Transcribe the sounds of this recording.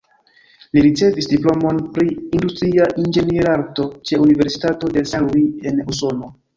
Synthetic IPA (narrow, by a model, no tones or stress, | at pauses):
liɾit͡se̞visdiplo̞mo̞npɾiːndustɾiaʔind͡ʒe̞niɾaɾto̞t͡ʃe̞unive̞ɾsi̥tato̞de̞saluie̞nuso̞no̞